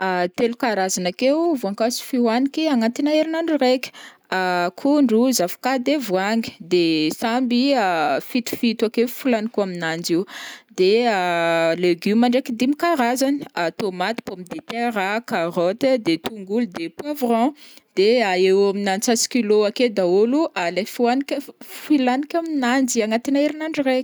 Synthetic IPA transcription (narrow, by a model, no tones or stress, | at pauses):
at̪elukaɾazanakewvuaŋkasi̥fiwanikiaŋant̪inaeɾinaɳɖ͡ʐurekʲə̥ | akʰuɳɖ͡ʐuzafḁkad̪evwaŋi̥d̪esambiafit̪u̥fit̪akeufulanikuaminand͡ʒiwd̪̥ealeɡymaɳɖ͡ʐekid̪imikaɾazaniat̪omat̪i̥pamid̪et̪eɾakarot̪d̪et̪uŋɡulud̪epwavrɔ̃d̪̥eaewaminant͡sasi̥kiloaked̪aoluʔalefuanikfilanikʲaminand͡ʒiaŋat̪inaiɾinaɳɖ͡ʐire̥